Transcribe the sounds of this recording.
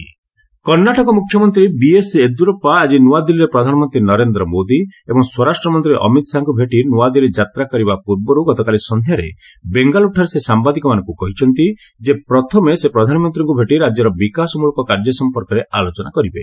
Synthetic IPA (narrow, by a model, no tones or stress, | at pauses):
kɔɾnaʈɔkɔmukʰjɔmɔnt̪ɾibiesed̪uɾɔpaːd͡ʒinuad̪iliɾepɾɔd̪ʱanɔmɔnt̪ɾinɔɾend̪ɾɔmod̪iebɔŋswɔɾasʈɾɔmɔnt̪ɾiʔɔ̰mit̪saŋkubʱeʈinuad̪iled͡ʒat̪ɾakɔɾibapuɾbɔɾuɡɔt̪ɔkalisɔnd̪ʱjaɾḛ | beŋɡaluʈʰaɾesesambad̪ikɔmanɔ̃ŋkukɔɦit͡ʃʰɔnt̪i | d͡ʒepɾɔt̪ʰɔmesepɾɔd̪ʱanɔmɔnt̪ɾiŋkubʱeʈiɾad͡ʒjɔɾɔbikasɔmuɭɔkɔkaɾd͡ʒɔsɔmpɔɾkɔɾealot͡ʃɔnakɔɾibe